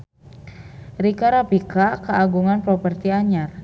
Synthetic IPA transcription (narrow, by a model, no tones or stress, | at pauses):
rikaɾapikakəaɡuŋanpɾɔpərt̪iaɲar